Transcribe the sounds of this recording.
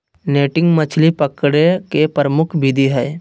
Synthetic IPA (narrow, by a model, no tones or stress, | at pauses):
neːʈɪ̃ŋɡmət͡ʃʰlipəkɽekepəɾəmʊkʰbid̪ʱiɦɛː